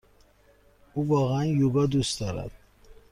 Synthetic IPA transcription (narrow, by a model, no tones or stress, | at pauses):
uvɒːɣeænjuɡɑːd̪ust̪d̪ɒːɾæ̰d̪̥